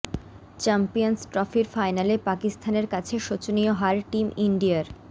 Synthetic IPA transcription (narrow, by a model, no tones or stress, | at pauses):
t͡ɕampijonsʈɾɔfiɾfajnalepakist̪ʰaneɾkat͡ɕʰeʃot͡ɕonijoɦaɾʈimiɳɖiaɾ